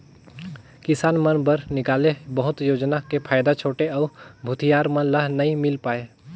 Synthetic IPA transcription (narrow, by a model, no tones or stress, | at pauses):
kɪsaːnmənbəɾnɪkaːlebəɦʊt̪joːd͡ʒnakepʰaːjd̪at͡ʃʰoːʈeɔːɾbʱʊt̪ʰijaːɾmənlaɦnɐɦĩmɪlpaːeː